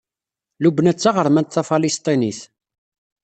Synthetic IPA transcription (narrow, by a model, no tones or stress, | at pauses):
lubnæt͡sːaʁəɾmænt̪θæfɑlist̪ˤiniθ